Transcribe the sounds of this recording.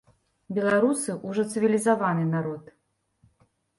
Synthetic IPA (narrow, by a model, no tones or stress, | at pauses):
bʲɛlˠaɾusɨʔuʐɔt̪sɨvʲilʲizavanɨnaɾɔt̪